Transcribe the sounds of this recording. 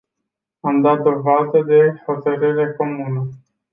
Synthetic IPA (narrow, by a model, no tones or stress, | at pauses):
amd̪at̪̚d̪o̞vad̪əd̪e̞ho̞t̪əɾɨɾeko̞munə